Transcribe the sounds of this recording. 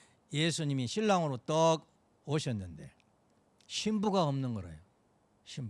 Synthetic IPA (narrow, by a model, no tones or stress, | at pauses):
jesʰuɲimiɕʰiɭːaŋɯɾot͈ʌɡ | oɕʰʌnːɯnde̞̰ | ɕʰimbuɡaʌmnɯnɡʌɾḛjo | ɕʰim